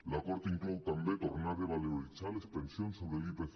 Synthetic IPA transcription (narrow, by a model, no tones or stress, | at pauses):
lakoɾt̪iŋklowt̪ambet̪oɾnaɾðeβaleolit͡ʃalespensjonsoβɾelipeθ